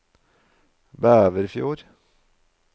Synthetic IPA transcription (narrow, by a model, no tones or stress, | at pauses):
bæːʋəɾfjṵːɾ